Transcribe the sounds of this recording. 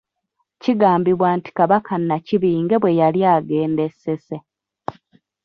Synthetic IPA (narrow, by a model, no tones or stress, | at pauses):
ciɡaːmbiβwaːnti̥kaβakʰanːaciβiːŋɡe̞βwe̞jaljaːɡe̞ːnde̞sese̞